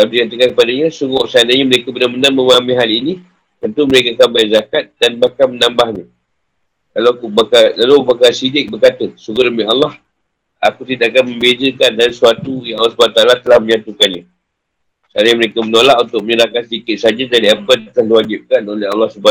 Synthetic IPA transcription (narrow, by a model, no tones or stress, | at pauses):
t̪adikat̪əkankəpadaɲasuŋɡoʔsəadaɲaməɾekəbənamənaməmamĩɦalini | t̪ənt̪uməɾekaːkanbajzakat̪̚danbahkamənãmbahɲa | kalawakubakakalobakasidɪk̚bərkat̪əsuɡəɾəmialːɑh | akut̪idaʔakanmə̃mbedəkandaɾisuat̪ujaŋalːɑsubanat̪alat̪əlahmə̃ɲãt̪ukanɲa | səadaɲəməɾekəmənolaʔunt̪ʊk̚məɲəɾakansədikɪt̪̚sad͡ʒadaɾiapədat̪əlahliwad͡ʒɪp̚kanolɛɦɑ̰lːɑhsuba